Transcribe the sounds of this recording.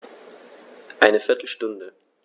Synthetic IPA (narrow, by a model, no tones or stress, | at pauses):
ʔaɪnəfɪɐtʰl̩ʃtʊndə